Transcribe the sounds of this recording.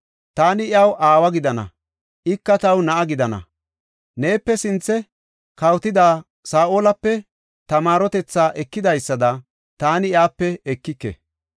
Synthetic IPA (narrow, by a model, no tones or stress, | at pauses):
t̪aːnɪʔjɐwʔaːwɐɡɪd̪ɐnɐ̰ | ʔɪkːɐt̪ɐwnɐʔɐɡɪd̪ɐnɐ̰ | ne̞ːpːɛsɪnt͡sːɛ | kɐwt̪ɪd̪aː | saːʔoːlɐpːɛ | t̪ɐmaːɾɔt̪ɛt͡sːaːʔɛkːɪd̪ɐjsːɐd̪ɐ | t̪aːnɪjaːpːɛɛkːɪkːɛ̰